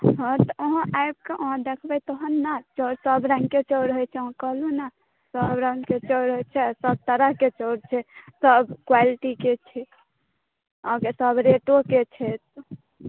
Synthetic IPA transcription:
ɦə̃t̪ɔoɦə̃ʔajb̚keʔoɦə̃d̪ekʰbɛt̪oɦənːat͡ʃɔɾsəbɾə̃ŋɡket͡ʃɔɾɦojt͡ʃʰɛɦkəɦlũna | səbɾə̃ŋɡket͡ʃɔɾɦojt͡ʃʰɛsəb̚t̪əɾəɦket͡ʃɔɾt͡ʃʰɛsəbkwaliʈiket͡ʃʰɛ | ãkesəbɾeʈoket͡ʃʰɛt̪

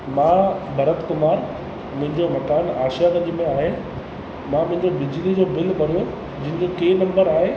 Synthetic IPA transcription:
mãːbʱɐɾət̪kʊmaːɾ | mʊ̃ɦɪ̃ɲd͡ʑomɐkaːnaːʃjakɐ̃ʄimẽaːɦe | mãmʊ̃ɦɪ̃ɲd͡ʑobɪd͡ʑlid͡ʑoːbɪlbɐɾijo | d͡ʑɪ̃ɦɪ̃ɲd͡ʑokeːnɐ̃mbəɾaːɦe

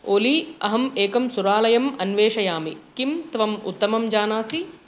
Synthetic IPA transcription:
oːliɐ̰ɦɐmeːkɐmsuɾaːlɐjɐmɐnʋeːʂɐjaːmikimt̪ʋɐmṵt̪ːɐmɐmd͡ʒaːnaːsi

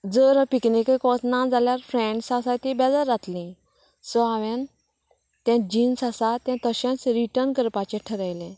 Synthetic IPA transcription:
d͡zəɾpiknikekɔsnãd͡zaljaɾfɾɛ̃ɳɖsasat̪ĩbɛd͡zaɾːat̪lĩ | sɔaʋɛ̃n | t̪jɛ̃d͡ʑiːnsasat̪ãt̪əɕɛ̃t͡sɾiʈəɾnkəɾpat͡ɕɛ̃ʈʰəɾajlẽ

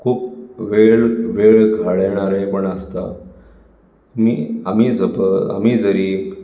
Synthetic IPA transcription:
kʰuːpʋeɭʋeɭkʰaɭɛɽ̃aɾepəɳəst̪a̰ | miːam̤iːd͡zəpəa̰m̤iːd͡zəɾiː

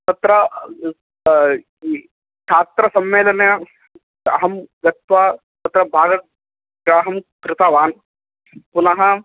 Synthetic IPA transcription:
t̪ɐt̪ɾɐ | ʈ̪ʰaːt̪ɾɐsɐmːeːlɐnjɐ | ɦɐmɡɐt̪ʋa | t̪ɐt̪ɾɐbʱaːɡɐk̚ | ɡɾaːɦɐmkɾɪt̪aːʋaːn | pʊnɐɦɐ̃

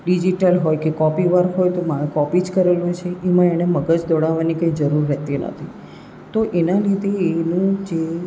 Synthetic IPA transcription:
ɖid͡ʒiʈəlɦojkekɔpiʋaɾɦojt̪omakɔpid͡ʒkəɾelut͡ʃʰeʔemãeñeməɡəd͡ʒd̪ɔɽaʋanikəid͡ʒəɾuɾːɛt̪inə̰t̪ʰi | t̪oʔenalid̪ʱeenũd͡ʒe

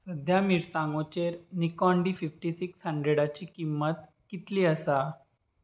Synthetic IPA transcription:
səd̪ʱjamiɾsãŋɡot͡ɕeɾnikɔɳɖififʈisikshəɳɖɾeɽat͡ɕiːkimːət̪ | kit̪liːəsa

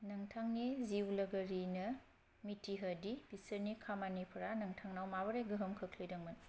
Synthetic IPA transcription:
nɐŋtʰaŋniziwlɐɡɐɾinɐ | mitiɦɐdib̥isɐɾnikʰamanipʰɐɾanɐŋtʰaŋnawmabɐɾejɡɯɦɐmkʰɐkʰlijdɐŋmɐn

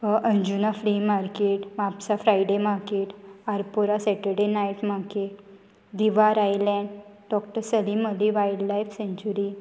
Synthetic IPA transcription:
əʔəɲd͡ʑunafɾiːmaɾkeʈmapsafɾajɖemakeʈaɾpuɾasɛʈəɾɖenajiʈmakeʈ | d̪iʋaɾajlɛ̃ɳɖ | ɖɔkʈəɾsəliməd̪ʱiʋajɽlajfsẽɲt͡ɕuɾi

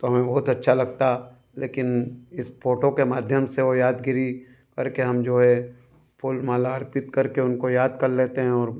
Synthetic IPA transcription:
t̪oɦɐmẽbɐɦʊt̪ɐtːʃʰalɐɡ̚t̪a | lḛːkɪnɪsfʰoːʈokemaːd̪ʱjəmseʋojaːd̪ɡɪɾi | kɐɾkeɦɐmd͡ʒoːɦɛ | pʰʊlmaːlaɐɾpɪt̪kɐɾkeʊnkojaːd̪kɐɾleːt̪eɦɛ̃ɔːɾ

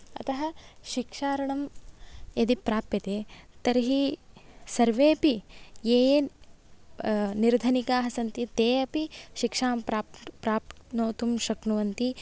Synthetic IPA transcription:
ɐ̰t̪ɐɦɐʃikʂaːɾɐɳɐmjɐd̪ipɾaːpjɐt̪eːt̪ɐɾɦi | sɐɾʋeːpijeːje | niɾd̪ʱɐnikaːɦɐsɐnt̪it̪eːɐpiʃikʂaːmpɾapɾaːp̪noːt̪umʃɐknuʋɐnt̪i

